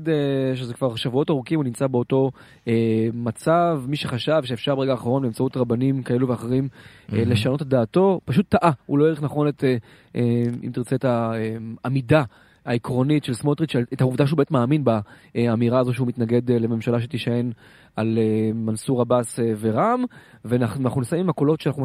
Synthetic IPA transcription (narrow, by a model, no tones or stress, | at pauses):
deʃezekvaʁʃavuo̞taʁukimunimt͡sabeoto̞ | emat͡savmiʃeχaʃavʃeefʃaʁbe̞ʁeɡaːχaʁo̞nbeːmt͡sautʁabanimkae̞luveaχeʁim | le̞ʃano̞tetd̪aːto̞paʃ̬utːaʔaulo̞jeʁiχnaχo̞net | eḭmt̪iʁt͡se̞etaeamida | aikʁo̞nitʃelsmot̪ʁit̪ʃetauvdaʃeubemet̪maːminba | eamiʁaːzo̞ʃ̬eumit̪naɡe̞d̪le̞me̞mʃalaʃ̬et̪iʃae̞n | alemansuʁabaseveʁamvenanaχnunisaimimakolo̞tʃeanaχnum